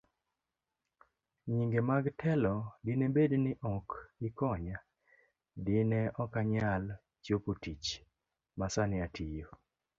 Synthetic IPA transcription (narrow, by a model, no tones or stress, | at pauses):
ɲiŋɡemaɡtʰɛlɔdɪnebednɪʔɔkɪkɔɲa | dɪneʔɔkaɲal | t͡ʃopotit͡ʃ | masanɪatʰijo